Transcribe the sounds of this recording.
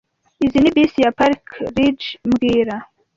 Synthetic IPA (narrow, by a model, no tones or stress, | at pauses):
izinibisijapaɾkɾid͡ʒmɡiːɾa